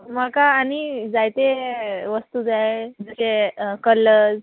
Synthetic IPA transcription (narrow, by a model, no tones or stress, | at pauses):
makaːnid͡zajt̪eʋəst̪ud͡zaɦed͡zəsekəlːəd͡z